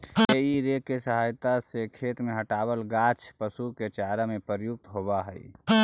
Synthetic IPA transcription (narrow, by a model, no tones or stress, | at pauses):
jeiɾekesəɦaːjt̪asekʰeːt̪meɦəʈaːwəlɡaːt͡ʃʰpəsuket͡ʃaːɾəmẽpəɾjʊk̚t̪ɦoːbaɦɛḭ